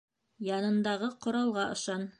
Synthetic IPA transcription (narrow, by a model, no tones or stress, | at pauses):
jɑnɤ̆nd̪ɑʁɤqŏɾɑlˠʁɑʔŏʃɑn